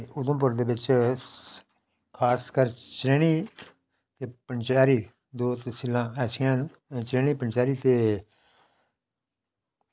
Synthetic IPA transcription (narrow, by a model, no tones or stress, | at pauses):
ʊd̪õːp̬ʊɾd̪eːbɪt͡ʃ | kʰaːskəɾt͡ʃɾeːɽ̃iː | t̪eːpəɳt͡ʃaːɾiː | d̪oːt̪esilãːɛːsɪjãːnː | t͡ʃɾeːñiːpəɳt͡ʃaːɾiːt̪eː